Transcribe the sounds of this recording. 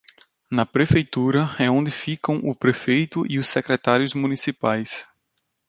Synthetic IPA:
nɐpɾefejt̪uɾɐɛõnd̪ɪfikɐ̃w̃ʔʊpɾefejt̪ʊʔiʊsːekɾɛt̪aɾjʊzmũnisipajs

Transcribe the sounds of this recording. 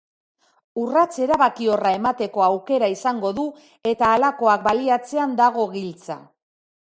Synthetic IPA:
urat͡se̞ɾaβakio̞rae̞mat̪e̞ko̞awke̞ɾaisaŋɡo̞ðu | e̞t̪aːlako̞ak̚baliat͡se̞and̪aɣ̞o̞ɣilt͡sa̰

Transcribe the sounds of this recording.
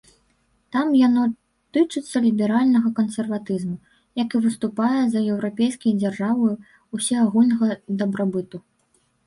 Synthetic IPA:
t̪amjanɔ | t̪ɨt͡ʂɨt̪sːɐlʲibʲɛɾalʲnɐɣɐkɐnsʲɛrvat̪ɨzmu | jɐkɨvɨst̪upajɛzɐɛwɾapʲejskʲɐjd͡zʲarʐavɨj | usʲɛaɣulʲnɐɣɐd̪ɐbɾabɨt̪u

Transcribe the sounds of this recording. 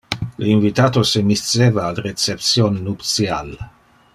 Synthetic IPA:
linvit̪aːt̪osemist̪t͡sːeːvaːlret͡sept̪sjonːupt̪sjal

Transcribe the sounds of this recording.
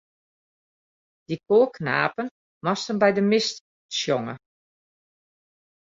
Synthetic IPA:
d̥ikʰoːkʰna̰ːpən | mɔstənbɛjdəmɪst | sjoŋə̰

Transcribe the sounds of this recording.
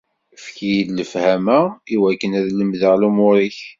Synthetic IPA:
fkijilːəfhæmæiwækːənæðləmðəʁlumʊɾiç

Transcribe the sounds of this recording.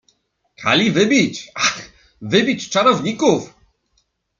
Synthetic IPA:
kʰa̰lʲivɘbʲit͡ɕax | vɘbʲit͡ɕt͡ʂaɾɔvɲikuf

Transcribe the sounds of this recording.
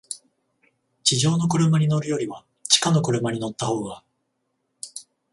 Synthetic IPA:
t͡ɕiʑo̞ːno̞kɯ̟ɾɯ̟maɲ̟ino̞ɾɯ̟jo̞ɾʲiβa | t͡ɕi̥kano̞kɯ̟ɾɯ̟maɲ̟ino̞t̪ːaho̞ːɡa

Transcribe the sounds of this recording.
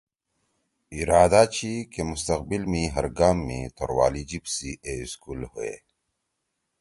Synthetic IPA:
iɾaːd̪at͡ɕʰikemust̪ɐqbilmĩɦɐɾɡaːmːḭ̃t̪ʰoɾwa̰ːlid͡ʑibsiʔeskulhoḛ

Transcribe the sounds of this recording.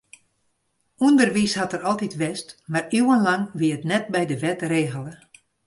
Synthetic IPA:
undərʋishatərɔlˠtitʋɛstmariwənlaŋʋiəətnɛtbɛjdəʋɛtreːɣəlˠə

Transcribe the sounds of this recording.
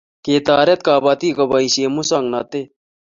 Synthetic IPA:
keːt̪aːɾet̪kaːbɐt̪iːkɐbaĩɕeːmusaŋɡnɐt̪e

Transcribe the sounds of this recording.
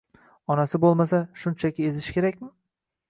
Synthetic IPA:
ɒnasɪbolˠmasaʃʊnt͡ʃʰakʲɪezɪʃkʲe̞ɾakʲmɪ

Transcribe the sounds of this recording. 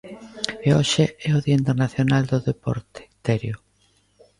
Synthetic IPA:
eoʃeɛʊðiaint̪eɾnaθjonald̪oðepɔ̰ɾt̪e̥t̪ɛɾjo

